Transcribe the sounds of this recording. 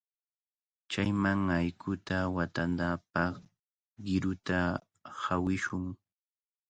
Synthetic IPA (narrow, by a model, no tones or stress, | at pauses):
t͡ʃajmaŋajkʰʊt̪awat̪and̪apɑχ | ɢɪɾʊt̪a | hawɪʃʊŋ